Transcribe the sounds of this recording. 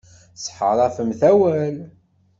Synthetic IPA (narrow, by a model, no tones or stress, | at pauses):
sħəɾˤɑfəmθæwæl